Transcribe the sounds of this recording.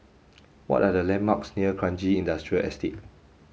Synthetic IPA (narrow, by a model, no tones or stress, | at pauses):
wɔ̰tadəlɛ̃nmaksniəkʰɹãnd͡ʒiĩndastɹiəlʔɛ̰stʰet̚